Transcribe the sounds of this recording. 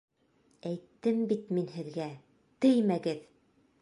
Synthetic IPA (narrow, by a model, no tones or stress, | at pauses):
æjt̪ːɘmbit̪minhɘ̆ðɡæ | t̪ɘjmæɡɘð